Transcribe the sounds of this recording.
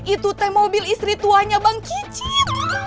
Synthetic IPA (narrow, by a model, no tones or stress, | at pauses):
ʔit̪ut̪ɛmobilist̪ɾit̪uaɲabaŋkit͡ʃit̪̚